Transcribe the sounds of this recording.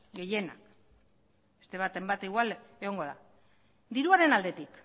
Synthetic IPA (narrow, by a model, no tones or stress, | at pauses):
ɡe̞je̞na̰k | be̞st̪e̞β̞at̪e̞mbat̪iɣwale̞ɣ̞o̞ŋɡo̞ða̰ | d̪iɾuaɾe̞nald̪e̞t̪ik